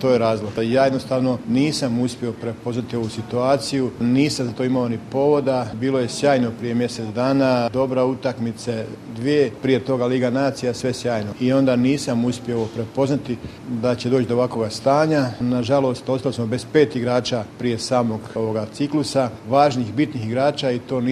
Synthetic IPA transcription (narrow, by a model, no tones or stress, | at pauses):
t̪o̞ːjeɾaːzloɡt̪ajaːjed̪nost̪aːʋno̞niːsamuspʲjeo̞pɾe̞po̞znat̪io̞ʋusit̪uaːt̪sijuniːsamzat̪oimaonipo̞ʋo̞d̪abiːlˠo̞je̞sjaːjno̞pɾije̞mje̞se̞t̪d̪aːnad̪o̞bɾaut̪akmit̪se̞d̪ʋiepɾije̞t̪o̞ɡaliːɡanaːt̪sijasʋe̞sjaːjno̞io̞nd̪aniːsamuspjeopɾe̞po̞znat̪i | d̪at͡ɕe̞d̪oːt͡ɕd̪oʋako̞ɡast̪aːɲanaʒalo̞st̪ost̪alismo̞be̞z̥pe̞ːt̪iɡɾaːt͡ʃapɾije̞saːmo̞ɡoʋoɡat̪siklusaʋaːʒnixbit̪nixiɡɾaːt͡ʃaːit̪o̞ːn